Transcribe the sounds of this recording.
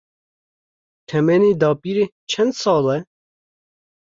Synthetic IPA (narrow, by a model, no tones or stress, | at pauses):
t̪ʰɛmɛniːd̪ɑːpiɾe | t͡ʃʰɛnd̪sɑːlɛ